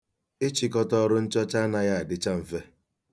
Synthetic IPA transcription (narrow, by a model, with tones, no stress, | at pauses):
ɪ˦t͡ʃi˨kɔ˦tɔ˦ɾʊ˦n̩˦t͡ʃɔ˦t͡ʃa˦na˨ja˦a˨dɪ˦t͡ʃa˦m̩˨fe˦